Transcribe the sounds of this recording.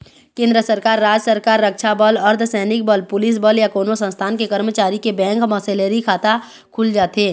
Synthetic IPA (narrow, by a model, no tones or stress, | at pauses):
kẽːnd̪ɾəsəɾkaːɾːaːd͡ʒəsəɾkaːɾːəkʃabəlɐɾd̪sɛːnɪk̚bəlpʊlɪs̬bəljakoːnosə̃nst̪ʰaːnkekəɾmət͡ʃaːɾikebɛ̃ːŋkmɔseːleɾikʰaːt̪a | kʰʊld͡ʒaːt̪eː